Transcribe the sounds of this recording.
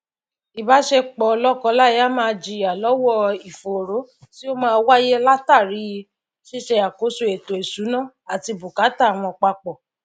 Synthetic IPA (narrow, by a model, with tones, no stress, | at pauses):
i˨ba˨˦ʃe˧k͡pɔ˨˧lɔ˦kɔ̃˧˦la˦˨ja˦mãː˧d͡ʒi˨a˨lɔ˨˦wɔ˦i˨fo˨ɾo˨˦ | ti˦o˦mãː˦˧˦wa˦je˦la˦ta˦˨ɾi˨˦ji˧ | ʃi˦ʃe˧a˨ko˨˦so˧˨e˨to˨e˨su˨˦nãː˦˨ | a˨ti˧bu˨ka˨˦ta˦˨w̃ɔ̃˧k͡pa˧k͡pɔ˨